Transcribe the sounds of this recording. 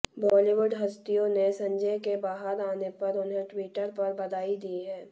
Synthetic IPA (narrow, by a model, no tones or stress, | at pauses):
bɔːliʋʊɖɦɐst̪ijõnesɐ̃ɲd͡ʒəjkebaːɦəɾaːnepɐɾʊnɦẽʈwiːʈəɾpɐɾbɐd̪aːid̪iɦɛː